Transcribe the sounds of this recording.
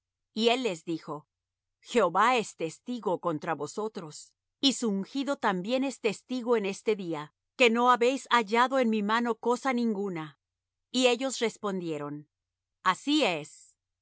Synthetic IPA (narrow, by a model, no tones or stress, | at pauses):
ie̞lːe̞zðixo̞ | xe̞o̞βae̞st̪e̞st̪iɣo̞kont̪ɾaβo̞so̞t̪ɾo̞s | isuːŋxiðo̞t̪ambje̞ne̞st̪e̞st̪iɣoene̞st̪e̞ðia | ke̞no̞aβe̞jsaʝaðo̞e̞nmimano̞ko̞sanĩŋɡuna | ie̞ʝo̞sre̞spo̞nd̪je̞ɾo̞n | asies